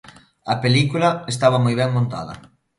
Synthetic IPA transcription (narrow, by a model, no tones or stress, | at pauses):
ɐpelikulɐest̪aβɐmojβɛŋmõnt̪a̰ðɐ̰